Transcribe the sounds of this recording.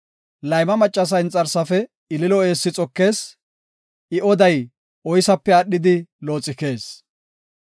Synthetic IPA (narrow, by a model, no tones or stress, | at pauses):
lɐjmɐmɐt͡ʃʼːɐs̬ɐɪnt͡sʼːɐɾsɐfɛ | ɪlɪlɔe̞ːsːɪt͡sʼɔkːe̞ːs | ʔɪʔɔd̪ɐj | ʔɔjsɐpːɛɐɗːɪd̪ɪlo̞ːt͡sʼɪke̞ːs